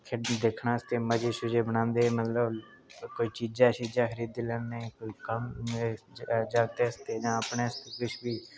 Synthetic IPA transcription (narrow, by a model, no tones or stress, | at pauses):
kʰəd̪eːkʰnaːəst̪eːməd͡ʒeːʃʊd͡ʒeːbənãːnd̪eːmət̪ləb | koːiːt͡ʃiːd͡ʒaːt͡ʃiːd͡ʒaːxʰəɾiːd̪eːlɛnnẽːkoiːkəm | d͡ʒaːɡ̚t̪eːəst̪eːd͡ʒãːəpneːəst̪eːkɪt͡ʃʰbiː